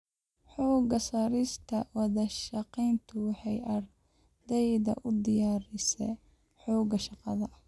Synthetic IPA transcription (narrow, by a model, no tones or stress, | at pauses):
ħɔːɡɐsɐɾɪst̪ʰɐwɑðɐʃɑqiːnt̪ʰʊwɑħɑjʔɐr | d̪ɛjðɐ̰ʔʊd̪ɪjaːɾɪsɛ | ħɔːɡɐʃɑqɑðɐ